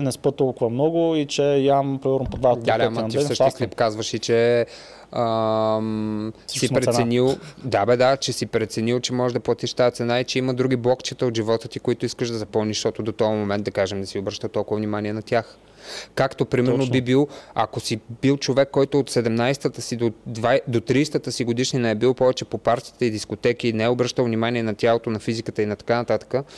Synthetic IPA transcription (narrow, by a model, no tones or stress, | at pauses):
nɛspət̪ːɔlˠkʊvɐmnɔɡʊit͡ʃɛjampɾɛmɛɾnpod̪vad̪alɛmɐifsəʃislipkazvəʃit͡ʃɛ | əmsipɾɛt̪ɛnilˠd̪abɛd̪at͡ʃɛsipɾɛt̪sɛnilˠt͡ʃɛmɔʒɛʒd̪ɐplˠɐt̪iʃt̪ajɛt̪sɛnait͡ʃɛiməd̪ɾuɡ̟iblˠɔkt͡ʃɛt̪əot̪ʒivɔt̪ət̪ikoit̪ʊiskəʃd̪ɐzɐpɤmniʃt̪ɔt̪od̪ot̪ɔjmomɛnt̪̚d̪ɐkaʒɛmd̪ɐsiobɾəʃt̪ət̪ɔlˠkʊvəvnimaniɛnɐt̪ʲjax | kakt̪opɾimɛnobibilˠɐkosibilˠt͡ʃovɛkːɔjt̪oːt̪sɛd̪ɛmnajst̪ət̪əsid̪od̪vajd̪ot̪ɾiːst̪ət̪əsiɡod̪iʃninɐɛbilˠpɔvɛt͡ʃɛpopaɾt̪iit̪əid̪iskot̪ɛkinɛɛobɾəʃt̪əlˠvnimaniɛnɐt̪ʲjalˠot̪onɐfizikət̪əinɐt̪ɐ̥kanɐt̪at̪ə̥kə